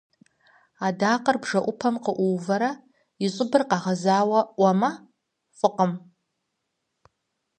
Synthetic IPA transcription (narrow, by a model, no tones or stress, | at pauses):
adaːqʼərbʐaʔʷʊpʰamqəʔʷuwvaɾa | iɕʷʼʊbɨrqaʁazaːwaʔʷama | fʼɨqʼəm